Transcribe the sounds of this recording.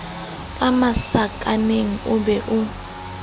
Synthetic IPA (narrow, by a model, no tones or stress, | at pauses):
kʼamasakʼaneŋ̩ubɛʔu